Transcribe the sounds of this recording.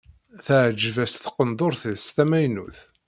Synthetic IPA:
θəʕd͡ʒvæsθə̥qːənd̪ˤoɾθəsθæmæjnuθ

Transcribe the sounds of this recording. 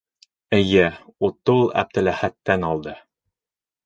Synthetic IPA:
ɘ̆jɘut̪ːulˠæ̰b̚t̪ɘ̆læhæt̪ːænɑlˠd̪ɤ

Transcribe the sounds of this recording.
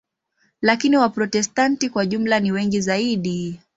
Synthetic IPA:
lakiniwapɾɔtɛstantikwaʄum̩laniwɛŋɡizaiɗi

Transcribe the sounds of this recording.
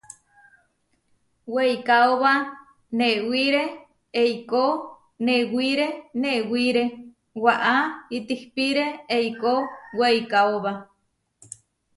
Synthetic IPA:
wejkaoβa | neʔwiɾe | eiko | neʔwiɾeneʔwiɾe | waʔait̪ihpiɾeeikowejkaoβa

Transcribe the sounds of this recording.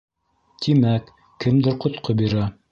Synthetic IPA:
t̪imækː | ɘmd̪ɘɾqŏt̪̚qobiɾæ

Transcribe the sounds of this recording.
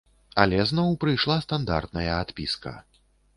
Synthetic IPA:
alʲɛznɔwpɾɨjʂlˠast̪and̪a̰rt̪̚nɐjɐat̪pʲḭskɐ̰

